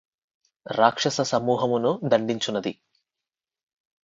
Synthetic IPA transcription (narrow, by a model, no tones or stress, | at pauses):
ɾaːkʂɐsɐsɐmuːɦɐmunud̪ɐɳɖ̪iɲt͡ʃunːɐd̪i